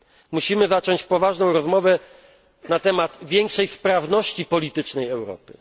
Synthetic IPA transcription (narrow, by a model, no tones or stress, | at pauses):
muɕimɘzat͡ʂɔɲt͡ɕpɔvaʐnɔ̃w̃ɾɔzmɔvɛ | nat̪ɛmad̪vʲjɛŋkʂɛjspɾavnɔɕt͡ɕipɔlʲit̪ɘt͡ʂnɛjɛwɾɔ̰pɘ